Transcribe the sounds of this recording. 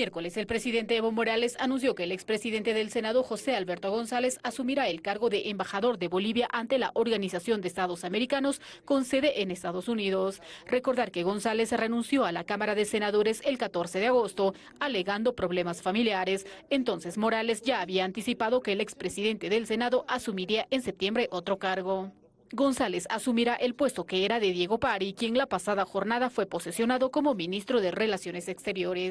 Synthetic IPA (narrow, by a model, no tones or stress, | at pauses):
mjeɾko̞le̞se̞lpɾe̞siðe̞nt̪eeβomo̞ɾale̞sanũns̬jo̞ke̞ːlekspɾe̞siðe̞nt̪e̞ðe̞lse̞naðo̞xo̞se̞alβe̞ɾt̪o̞ɣo̞nsale̞sasumiɾaelkaɾɣo̞ðe̞ʔembaxaðo̞ɾðe̞βo̞liβjaʔant̪e̞laʔoɾɣanisasjo̞nd̪eeːst̪aðo̞same̞ɾikano̞sko̞nse̞ðe̞ʔenest̪aðo̞suniðo̞sre̞ko̞ɾðaɾke̞ɣo̞nsale̞sre̞nũnsjo̞alakamaɾaðese̞naðo̞ɾe̞se̞lkat̪o̞ɾse̞ðeaɣo̞st̪o̞ | ale̞ɣand̪o̞pɾo̞βle̞masfamiljaɾesent̪o̞nse̞smo̞ɾale̞sʝaːβiaːnt̪isipaðo̞ke̞ːlekspɾe̞siðe̞nt̪e̞ðe̞lse̞naðo̞ʔasumiɾiaʔensep̚t̪je̞mbɾe̞ʔot̪ɾo̞kaɾɣo̞ | ɡo̞nsale̞sasumiɾaʔe̞lpwe̞st̪o̞keeɾaðe̞ðje̞ɣo̞paɾikje̞ŋlapasaðaxo̞ɾnaðafwe̞po̞sesjo̞naðo̞ko̞mo̞mĩnist̪ɾo̞ðere̞lasjo̞nesekst̪e̞ɾjo̞ɾes